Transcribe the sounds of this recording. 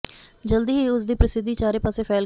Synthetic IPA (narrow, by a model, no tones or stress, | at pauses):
d͡ʒəld̪iːɦiːʊsd̪iːpɾəsɪd̪ːiːt͡ʃaːɾeːpaːseːpʰɛːl